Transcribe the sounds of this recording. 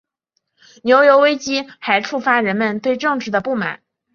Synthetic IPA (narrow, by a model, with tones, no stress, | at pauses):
njo˧˥ʊjo˧˥ʊwe˥ɪt͡ɕi˥xa˧˥ɪʈ͡ʂʰu˥˩fa˥ɻə˧˥nmə˧nt̪we˥˧ɪʈ͡ʂɤ˥˧ŋʈ͡ʂɻ̩˥˩d̪ə˩pu˥˩ma̰˨˩˦n